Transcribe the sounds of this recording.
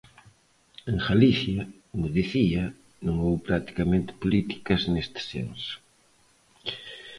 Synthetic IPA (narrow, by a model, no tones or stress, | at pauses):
ẽŋxaliθjɐkomʊðiθiɐ | nõŋowpɾat̪i̥kamẽnt̪ɪ̥polit̪i̥kɐznest̪ɪ̥sḛnsʊ̥